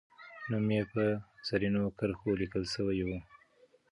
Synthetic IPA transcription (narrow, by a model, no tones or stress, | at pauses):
numjepəsaɾinokəɾxolikəlsəwajwu